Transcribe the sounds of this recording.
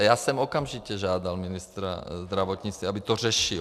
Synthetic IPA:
jaːsɛmɔkamʒicɛʒaːd̪alminist̪ɾa̰zd̪ɾaʋɔt̪ɲit͡st̪ʋiabit̪ɔrɛʃi

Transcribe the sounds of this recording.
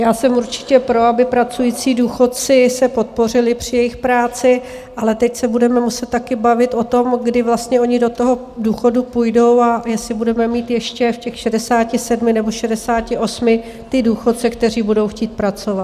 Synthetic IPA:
jaːsɛmuɾt͡ʃɪ̥cɛpɾo̞abɪpɾat͡sujiːt͡siːduːxo̞t̪̚t͡sɪsɛpo̞t̪̚po̞r̝ɪlɪpr̝̥ɪjɛjɪxpɾaːt͡sɪ | ʔalɛt̪ɛcsɛbudɛmɛmusɛt̪̚t̪ːakɪbavɪt̪ʔo̞t̪o̞mɡdɪvlast̪ɲɛo̞ɲɪdot̪o̞ɦo̞ | duːxo̞dupujdo̞wajɛsɪbudɛmɛmiːt̪jɛʃcɛfcɛxʃɛdɛsaːcɪsɛdmɪnɛbo̞ʃɛdɛsaːcɪʔo̞smɪ | t̪ɪduːxo̞t̪̚t͡sɛkt̪ɛr̝iːbudo̞wxciːt̪̚pɾat͡so̞vat̪

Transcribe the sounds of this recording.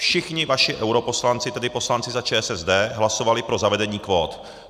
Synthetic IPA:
fʃɪxɲɪvaʃɪʔɛwɾopo̞slant͡sɪt̪ɛdɪpo̞slant͡sɪzat͡ʃɛːsɛzdɛːɦlaso̞valɪpɾo̞zavɛdɛɲiːkvo̞ːt̪

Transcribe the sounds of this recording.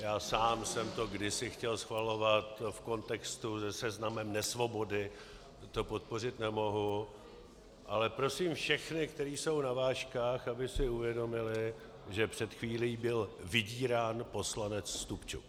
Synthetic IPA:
jaːsaːmsɛmt̪o̞ɡdɪsɪxcɛlsxvalo̞vat̪fko̞nt̪ɛkst̪uzɛsɛznamɛmnɛsvo̞bo̞dɪ | t̪o̞po̞t̪̚po̞rɪt̪nɛmo̞ɦu | ʔalɛpɾo̞siːmfʃɛxnɪkt̪ɛɾiːso̞wnavaːʃkaːxabɪsɪuvjɛdo̞mɪlɪ | ʒɛpr̥ɛt̪xviːliːbɪlvɪɟiːɾaːnpo̞slanɛt͡sːt̪upt͡ʃṵk

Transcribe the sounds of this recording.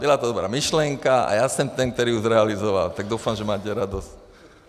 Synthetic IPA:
bilat̪ɔd̪ɔbɾa̰ːmiʃlɛŋkaa̰jasɛmt̪ɛnk̚t̪ɔɾiːuzɾɛalizɔʋa̰lt̪aɡd̪uʊfamʒɛmaːcɛɾad̪ɔsc

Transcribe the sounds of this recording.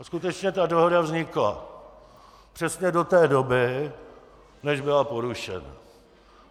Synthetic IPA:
skut̪ɛt͡ʃɲɛt̪ado̞ɦodavzɲɪkla̰ | pr̥ɛsɲɛdo̞t̪ɛːdo̞bɪ | nɛʒbɪlapo̞ɾuʃɛ̰na̰

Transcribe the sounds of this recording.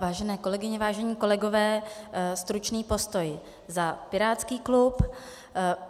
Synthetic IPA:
vaːʒɛnɛːko̞lɛɡɪɲɛvaːʒɛɲiːko̞lɛɡo̞vɛːst̪ɾut͡ʃniːpo̞st̪o̞j | zapɪɾaːt͡skiːklup

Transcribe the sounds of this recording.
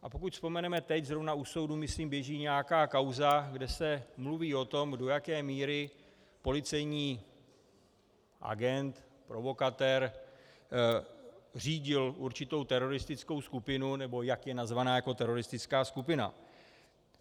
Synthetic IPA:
ʔa̰po̞kucspo̞mɛnɛmɛt̪ɛczɾo̞vnauso̞wdumɪsliːmbjɛʒiːɲɛjakaːkawzaɡdɛsɛmluviːo̞t̪o̞mdo̞jakɛːmiːɾɪ | po̞lɪt͡sɛjɲiː | ʔa̰ɡɛnt̪ | pɾo̞vo̞kat̪ɛɾ | r̝iːɟɪlʔuɾt͡ʃɪt̪o̞wt̪ɛɾo̞ɾɪst̪ɪt͡sko̞wskupɪnunɛbo̞jakjɛnazvanaːjako̞t̪ɛɾo̞ɾɪst̪ɪt͡skaːskupɪna̰

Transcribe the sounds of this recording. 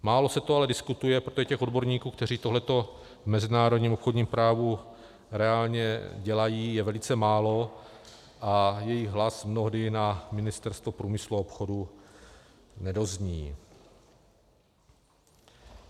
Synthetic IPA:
maːlo̞sɛt̪oalɛdɪskut̪ujɛpɾot̪ʒɛcɛxo̞dbo̞ɾɲiːkuːk̚t̪ɛr̝iːt̪oɦlɛt̪o̞ | vmɛzɪnaːɾo̞dɲiːmo̞pxodɲiːmpɾaːvu | ɾɛaːlɲɛɟɛlajiːjɛvɛlɪt͡sɛmaːlo̞ | ʔajɛjɪɣɦlasmnoɦdɪnamɪnɪst̪ɛɾst̪vopɾuːmɪsluopxo̞du | nɛdo̞zɲiː

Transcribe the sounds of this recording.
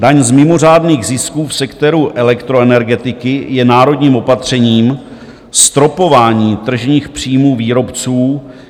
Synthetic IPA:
daɲzmɪmo̞r̝aːdniːɣzɪskuːfsɛkt̪ɛɾuʔɛlɛkt̪ɾo̞ɛnɛɾɡɛt̪ɪkɪjɛnaːɾo̞dɲiːmo̞pat̪r̝̥ɛɲiːm | st̪ɾo̞po̞vaːɲiːt̪r̩ʒɲiːxpr̝̥iːjmuːviːɾo̞pt͡suː

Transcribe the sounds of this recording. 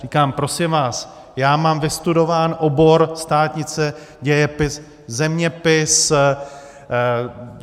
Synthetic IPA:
riːkaːmpɾo̞sɪmvaːs | jaːmaːmvɪst̪udo̞vaːnʔo̞bo̞ɾst̪aːt̪ɲɪt͡sɛ | ɟɛjɛpɪs | zɛmɲɛpɪs

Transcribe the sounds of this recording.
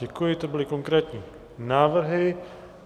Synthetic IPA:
ɛkujɪt̪obɪlɪkoŋkɾɛːt̪ɲiː | naːvr̩ɦɪ

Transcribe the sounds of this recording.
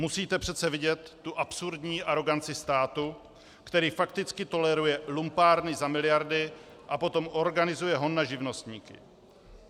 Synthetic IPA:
musiːt̪ɛpr̝̥ɛt̪t͡sɛvɪɟɛt̪ːuʔapsuɾdɲiːʔaɾo̞ɡant͡sɪst̪aːt̪u | kt̪ɛɾiːfak̚t̪ɪt͡skɪt̪o̞lɛɾujɛlumpaːɾnɪzamɪlɪjaɾdɪ | ʔapo̞t̪o̞mʔo̞ɾɡanɪzujɛɦo̞nːaʒɪvno̞st̪ɲiːkɪ̰

